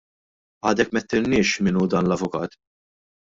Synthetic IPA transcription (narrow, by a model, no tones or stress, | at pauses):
ɐːd̪ɛkmɛt̪ːɪnnɪːʃmɪnuːd̪ɐːnlɐvʊkɐ̰ːt̪